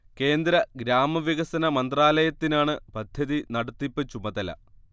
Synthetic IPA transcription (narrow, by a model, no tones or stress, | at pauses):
ke̞ːnd̪ɾɐɡɾaːmɐʋjiɣɐsɐnɐmɐnd̪raːlɐjɐt̪ːinaːɳɨbɐd̪ʱjɐðinɐɽɐt̪ːipːɨt͡ɕːumɐðɐlɐ̰